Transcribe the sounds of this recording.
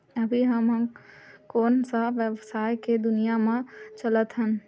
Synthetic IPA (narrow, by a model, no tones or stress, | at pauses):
əbʱiɦəmɦə̃koːnsəʋjəʋsaːjked̪ʊnijamẽt͡ʃələt̪ɦən